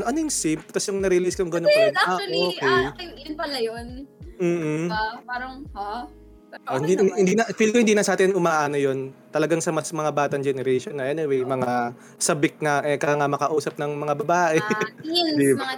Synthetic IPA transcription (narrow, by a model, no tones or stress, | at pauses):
nʔɐnojʊŋsɪmpt̪ɐsjʊŋnɐɾilɪɪskɐjʊŋɡɐnonaʔoːkɛjŋnpɐlɐjonm̩ːh̩paɾɐŋ | ohɪnd̪iɪnd̪iːnɐfilkoɪnd̪iːnɐsʔaːt̪ɪnʔʊmaːʔaːnojo̞nt̪ɐlɐɡaŋsɐmɐsmɐŋabaːt̪ɐŋd͡ʒɛnɛɾɛʃonːɐʔɛnɪwɛjmɐŋa | sɐbɪk̚ŋɐʔɛkɐjaŋɐmɐkɐʔuːsɐp̚nɐŋmɐŋabɐbaːʔɛ | d̪